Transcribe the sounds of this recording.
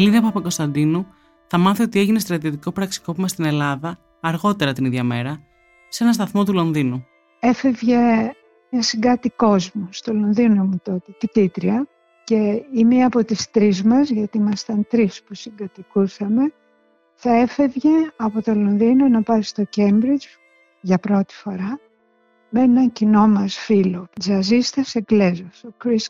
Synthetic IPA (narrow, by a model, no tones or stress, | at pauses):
liðɐpɐpɐko̞st̪ɐnd̪inu | θɐmɐθio̞t̪ie̞ʝine̞st̪ɾɐt̪iot̪iko̞pɾɐksi̥ko̞pimɐst̪ine̞lɐðɐː | ɾɣo̞t̪e̞ɾɐt̪iniðʝɐme̞ɾɐ | se̞nɐst̪ɐθmo̞t̪ulo̞nðinu | e̞fe̞vʝe̞ | nɐsiŋɡɐt̪iko̞zmust̪olo̞nðino̞mut̪o̞t̪et̪it̪it̪ɾiɐ | ce̞imeɐpo̞t̪ist̪ɾizmɐzʝɐt̪iimɐst̪ɐnt̪ɾispusiŋɡɐt̪ikusɐme̞ | θɐe̞fe̞vʝe̞ɐpo̞t̪o̞lo̞nðino̞nɐpɐst̪o̞ce̞mbɾid͡ʒ | ʝɐpɾo̞t̪i̥fo̞ɾɐ | me̞nɐcino̞mɐsfilod͡zɐzist̪ɐseɡle̞zosokɾis